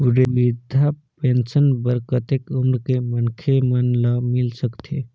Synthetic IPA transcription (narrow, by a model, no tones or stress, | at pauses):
uɖebid̪ʱapensənbəɾkət̪ekumɾkemənkʰemənləmilsəkt̪ʰe